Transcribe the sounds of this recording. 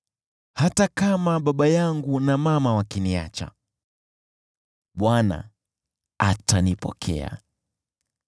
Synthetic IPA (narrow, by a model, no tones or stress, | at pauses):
hatakamaɓaɓajaŋɡunamamawakinia̰t͡ʃa̰ | ɓwana̰ | atanipɔ̰kʰɛ̰a̰